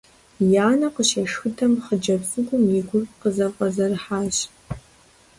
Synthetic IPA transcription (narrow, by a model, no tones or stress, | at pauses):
jaːnɐqəʃɐʂxɨtʰɐmχəd͡ʒɐbzʼɨɡʷʊmjɪɡʷʊrqəzɐqʼɐzɐrħaːɕ